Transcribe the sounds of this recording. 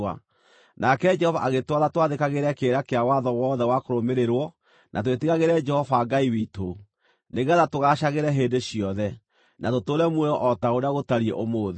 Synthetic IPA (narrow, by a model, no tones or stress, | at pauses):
a̰ | nakɛd͡ʒɛhɔvaʔaɣetwaðatwaðekaɣeɾɛkeɾakeawaðɔwɔðɛwakoɾomeɾeɾwɔ | nʔa̰twetiɣaɣeɾɛd͡ʒɛhɔfaɡaiwito | neɣaðatoɣaɕaɣeɾɛɦendeɕiɔðɛ | natotoɾɛmwɛɔʔɔtaoɾaɣotaɾiḛʔomoð